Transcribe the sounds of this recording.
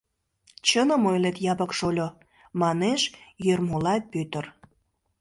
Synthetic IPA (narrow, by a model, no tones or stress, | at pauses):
t͡ɕənəmojlet̪jɑbəkʃolʲo | mɑneʃjørmolɑpyt̪ər